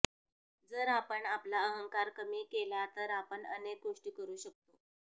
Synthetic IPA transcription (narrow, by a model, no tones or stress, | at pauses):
d͡zəɾapəɳaplaəɦəŋkaɾkəmiːkelat̪əɾapəɳənek̚ɡoʂʈiːkəɾuːɕək̚t̪o